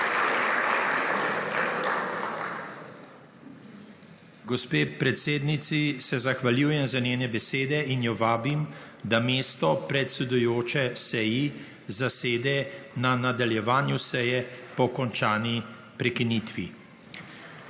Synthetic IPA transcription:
ɡɔspeːpɾɛt̪seːd̪nit̪sisɛzaxʋaljuːjɛmzaneːnɛbɛseːd̪ɛinjɔʋaːbim | d̪ameːst̪ɔpɾɛt̪sɛd̪ujoːt͡ʃɛsɛji | zaseːd̪ɛnanad̪aljɛʋaːnjusɛjɛpɔkɔnt͡ʃaːni | pɾɛkiniːt̪ʋḭ

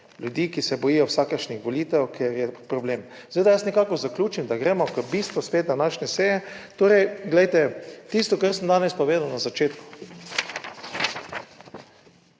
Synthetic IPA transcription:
lʲjud̪iːkisɛbɔjijɔwsaːkəɾʃnixʋɔliːt̪ɛwkʰeɾjɛpɾɔbleːm | z̥ʋeːd̪ajasnɛkaːkɔzaklʲuːt͡ʃimd̪aɡɾɛːmɔkəbist̪ʋɔspeːt̪̚d̪anaːʃnɛsejɛt̪oːɾɛjɡlɛjt̪ɛt̪ist̪ɔkaɾsəmd̪aːnɛspɔʋeːd̪awnazat͡ʃeːt̪ku̥

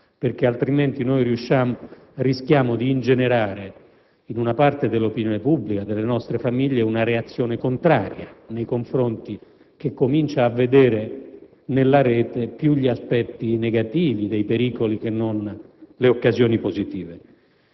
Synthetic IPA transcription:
perk̟ealt̪ɾiment̪inojɾiuʃːam | risk̟jaːmod̪iːnd͡ʒeneɾaːɾe | inunapart̪ed̪elːopinjoːnepubːlikad̪elːenɔst̪ɾefamiʎːeunaɾeat̪sːjoːnekont̪ɾaːɾjanejkoɱfɾont̪i | k̟ekːomint͡ʃaːvːed̪ɛːɾe | nelːaɾɛːt̪epjuʎːiaspɛt̪ːineɡat̪iːvid̪ejpeɾiːkolik̟enːonleokːazjɔːnipozit̪iːve

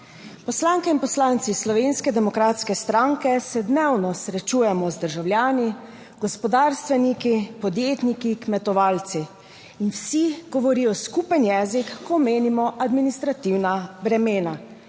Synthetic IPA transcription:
pɔslaːŋkɛinpɔslaːnt̪sislɔʋeːnskɛd̪ɛmɔkɾaːt̪skɛst̪ɾaŋkɛsɛd̪nɛwnɔsɾɛt͡ʃuːjɛmɔzd̪əɾʒawljaːni | ɡ̥ɔspɔd̪aːɾst̪ʋɛnikipɔd̪jeːt̪nikikmɛt̪ɔʋaːlt̪siː | nwsiɡɔʋɔɾiːjɔskupənjɛːzikːɔmeːnimɔʔad̪minist̪ɾat̪iwnabɾɛmeːna

